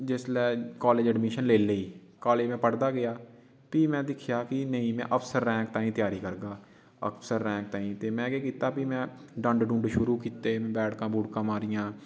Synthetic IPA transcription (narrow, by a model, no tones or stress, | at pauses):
d͡ʒɪslɛːkaːleːd͡ʒɛɖmɪʃənleːleiː | kaːleːd͡ʒmɛ̃ːpəɽd̪aːɡɪjaː | piːmɛ̃ːd̪ɪkʰjaːkɪnəĩːmɛ̰̃ːʔəpʰsəɾːɛ̃ːk̚t̪ãːĩːt̪jaːɾiːkəɾɡaː | ə̰pʰsəɾːɛ̃ːk̚t̪ãːĩːt̪eːmɛ̃ːɡeːkiːt̪aːpimɛ̃ː | ɖə̃ɳɖɖũːɳɖʃʊɾuːkiːt̪eːmɛ̃ːbɛːʈkãːbuːɽkãːmaːɾijãː